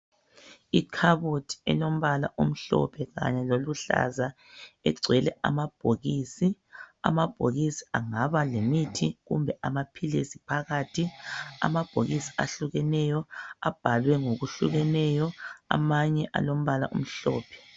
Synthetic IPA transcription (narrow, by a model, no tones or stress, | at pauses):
ikʰaβotʰɛ̰lom̩βala̰ʔum̩ɬɔ̰pʰɛɣa̰ɲɛloluɬa̰za | ɛǀʱwɛlɛa̰mab̥ʱoɣisia̰mab̥ʱoɣisi̥aŋaβalemitʰiɣṵmbʱɛʔamapʰilesipʰaɣatʰia̰mab̥ʱo̰ɣisi̥aɬuɣɛnɛjɔab̥ʱalwɛŋoɣuɬuɣɛnɛjɔa̰maɲɛʔa̰lom̩βalaʔṵm̩ɬɔ̰ːpʰɛ̥